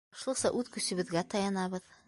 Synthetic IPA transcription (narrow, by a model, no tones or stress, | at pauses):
ʃusɑʔʉðkɵ̆sɘ̆βɘ̆ðɡæt̪ɑjɑnɑβɤð